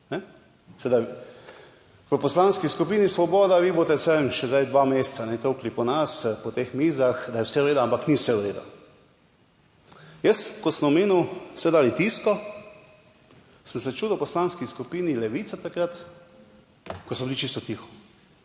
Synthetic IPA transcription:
nɛ | sɛd̪a | ʋəpɔslanskiskupiːnisʋɔbɔːd̪aʋiːbot̪ɛsɛmʃɛzajd̪ʋamest̪sanɛt̪owklipɔnaspɔt̪exmiːzaxd̪ajɛwsɛɾeːd̪ʊampakniwsɛwɾeːd̪a̰ | jəskɔsəmɔmeːnuwsɛd̪aːlit̪iskɔ | sənsɛt͡ʃuːd̪wpɔslanskiskupiːnilɛʋiːt̪sat̪akɾat̪ | kɔsɔbilit͡ʃist̪ɔt̪ixɔ̥

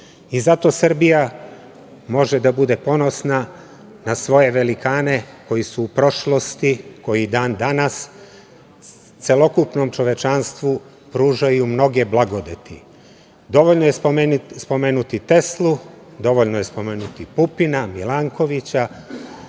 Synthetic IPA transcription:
izat̪o̞sr̩bija | mo̞ʒed̪abud̪e̞po̞no̞sna | nasʋo̞je̞ʋe̞likaːne̞ko̞jisuːpɾo̞ʃlo̞st̪iko̞jid̪aːnd̪anas | t̪se̞lo̞kupno̞mt͡ʃo̞ʋe̞t͡ʃanst̪ʋu | pɾuːʒajumno̞ɡe̞blˠaɡo̞d̪et̪ḭ | d̪o̞ʋoʎnojespo̞meːnut̪it̪e̞slˠu | d̪o̞ʋoʎnoje̞spo̞me̞ːnut̪ipupinamilaŋko̞ʋit͡ɕa

